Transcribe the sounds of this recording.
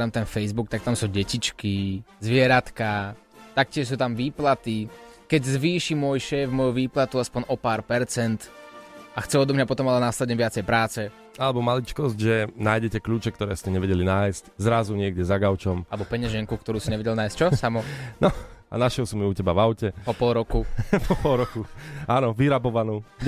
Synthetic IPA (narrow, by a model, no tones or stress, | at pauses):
t̪amt̪ɛnfɛjzbuk̚t̪ak̚t̪amsuːɟɛcit͡ʃkizʋɪɛɾat̪ka | t̪ak̚cʲɪɛʃs̬uːt̪amʋiːplat̪i | kɛɟzʋiːʃimʊɔjʃɛːvmɔjuʋiːplat̪uaspɔɲʔɔpaːɾpɛɾt͡sɛnt̪ | axt͡sɛɔd̪ɔmɲapɔt̪ɔmalɛnaslɛɟɛʋɪat͡sɛjpɾaːt͡sɛ | alɛbɔmalit͡ʃkɔzɟʒɛnaːjɟɛcɛkʎuːt͡ʃɛk̚t̪ɔɾɛːscɛɲɛʋɛɟɛlinaːjsczɾazuɲɪɛɡɟɛzaɡaʊt͡ʃɔmalɛbɔpɛɲɛʒɛŋkukt̪ɔɾuːsiɲɛʋɛɟɛlnaːjstt͡ʃɔsamɔnɔa̰naʃjɛlsumiucɛbavaʊcɛpɔpɔlɾɔkupɔpɔlˠɾɔkuanɔʋiɾabɔʋanuː